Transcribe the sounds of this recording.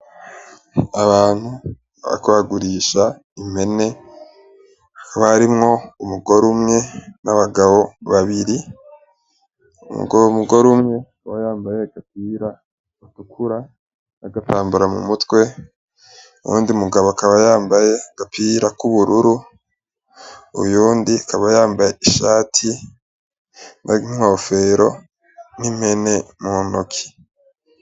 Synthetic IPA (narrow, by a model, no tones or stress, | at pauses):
aβaːn̥hu | βa̰βkβaɡuɾiːʃa | ime̞ne̞ | kaβaɾimŋo̞umuɡo̞ɾumŋe̞naβaɡaβo̞βaβiɾi | ṵmṵɡomuɡo̞ɾumŋe̞ | wajaːmbaje̞ɡ̥ap̚iːɾa | ɡatukʰuɾa | naɡatʰaːmbuɾamṵmutwe̞ | ṵjṵːndiumuɡaβoakaβajaːmbajeɡ̥apʰiɾakuβuɾuɾu | ṵjuːndiakaβajaːmbajeiʃaːtʰi | nʔa̰iŋ̥o̞ːfe̞ɾo̞̰ | nime̞ne̞munokʰi̥